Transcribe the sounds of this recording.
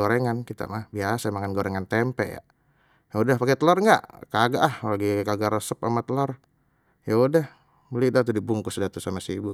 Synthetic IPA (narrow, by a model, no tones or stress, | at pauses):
oɾeŋankit̪a̰mahbiasamaŋanɡoɾɛŋant̪ɛmpɛ̰ʔja̰ | jaudahpakɛt̪əlɔrŋɡa̰ʔkaɡaʔahlaɡikaɡaɾəsəpamat̪əlɔr | jaudah | bəlidat̪udibuŋkʊsdat̪usamasibu